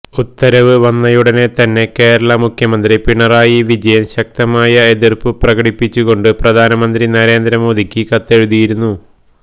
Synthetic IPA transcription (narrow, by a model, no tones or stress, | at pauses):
ut̪ːɐɾɐʋɨʋɐnːɐjuɽɐne̞t̪ɐnːe̞ke̞ːɾɐɭɐmukʰjɐmɐnd̪ripiɳːɐraːjiʋid͡ʑɐjɐnɕɐk̚t̪ɐmaːjɐe̞ðirpɨprɐɣɐɽipːit͡ɕːuɣo̞ɳɖɨprɐd̪ʱaːnɐmɐnd̪rinɐɾe̞ːnd̪ɾɐmo̞ːd̪ʱikʲːɨkɐt̪ːe̞ɻuðijiɾunːu